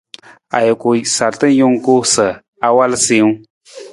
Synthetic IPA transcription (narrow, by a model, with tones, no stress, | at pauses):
a̰˨jɪ˨ku˨sa˨ltɨ˦jʊ˦ŋ˦ko˦sə˨ | a˨wa˦lsi˦ŋ˦